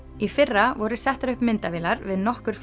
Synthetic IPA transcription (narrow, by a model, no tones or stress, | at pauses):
ifɪrːavɔɾʏsɛht̪aɾʏhpmɪnt̪avɪːlaɾvɪðnɔhkʏɾ̥f